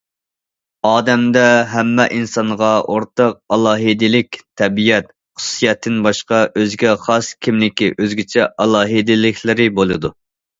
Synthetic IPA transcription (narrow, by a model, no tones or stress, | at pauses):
ɑːd̪ɛmd̪ɛɦɛmːɛʔinsɑnʁɑʔoɾt̪ɑq̚ɑlˠɑːɦid̪ɪlɪkʲt̪ʰːɛbijɛt̪̚ | χʊ̥su̥sijɛt̪ʰːɪnbɑʃqɑʔøzɡʲɛχɑskʲʰimlɪkʲiʔøzɡʲit͡ʃʰɛʔɑlˠɑːɦid̪ɪlɪkʲʰlɪɾɪbolˠɨd̪u